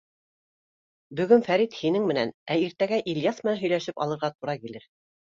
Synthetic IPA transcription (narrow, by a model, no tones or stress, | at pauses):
bɵ̆ɡɵnfæɾit̪hinɘŋmɘ̆nænæiɾt̪æɡæʔiljɑsmɘ̆nænɦɵ̆jlæʃɘpɑ̰lˠɤ̆ɾʁɑt̪uɾɑkilɘɾ